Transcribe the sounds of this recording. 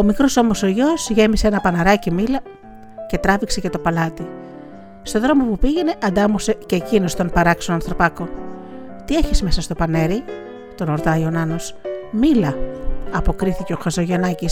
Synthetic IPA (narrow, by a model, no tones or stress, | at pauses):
o̞mikɾo̞so̞mo̞soʝo̞sʝe̞miseenɐpɐnɐɾɐcimilɐ | ce̞t̪ɾɐvikse̞cet̪o̞pɐlɐt̪i | st̪o̞ðɾo̞mo̞pupiʝe̞ne̞ʔɐnd̪ɐmose̞ceːcino̞st̪o̞npɐɾɐksonɐnθɾo̞pɐko̞ | t̪ie̞çisme̞sɐst̪o̞pɐne̞ɾi | t̪o̞no̞ɾt̪ɐjo̞nɐno̞smilɐɐpo̞kɾiθice̞o̞xɐzo̞ʝe̞nɐcis